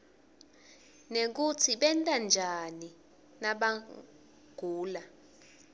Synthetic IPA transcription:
nek̬ut͡sʰiɓɛntʼand͡ʒʱani | naɓa | ɡ̥ʱuːla

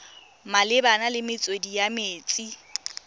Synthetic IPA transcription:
malɪbanalɪmɪt͡sʼodijameːt͡sʼi

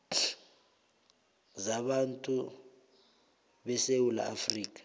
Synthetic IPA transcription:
zaɓantʼu | ɓɛsewula̰afriːk̬ʼḁ

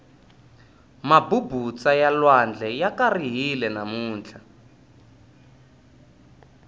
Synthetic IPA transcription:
mabubut͡sajalwand͡ɮʱɛjakariɦilɛnamuːnt͡ɬʰa

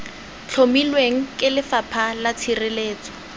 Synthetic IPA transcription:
t͡ɬʰomilweŋ̩kʼɪlɪfapʰalat͡sʰirɪleːt͡sɔ̥

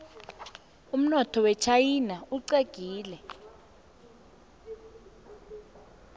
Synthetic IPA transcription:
um̩nɔtʰɔwɛt͡ʃʰajinauǀeɡ̥ʱiːlɛ

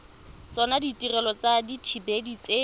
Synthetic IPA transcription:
t͡sɔnaditirɛlɔt͡saditʰibedit͡se

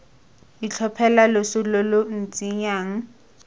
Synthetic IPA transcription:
it͡ɬʰɔpʰɛlalʊsʊlolʊn̩t͡sʼiɲaːŋ̩

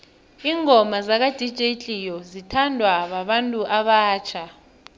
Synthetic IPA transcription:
iːŋʱɔmazak̬ad̥ʱid̥ʒ̥ʱet͡ɬʼijɔzitʰandʱwaɓaɓantʼuʔaɓaːt͡ʃʰa

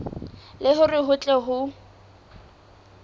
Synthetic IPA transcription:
lɪɦʊrɪɦʊt͡ɬʼɛɦʊ

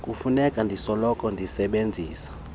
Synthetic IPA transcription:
kʼufunɛkʼandʱisɔlɔkʼɔndʱisɛɓend͡zʱiːsḁ

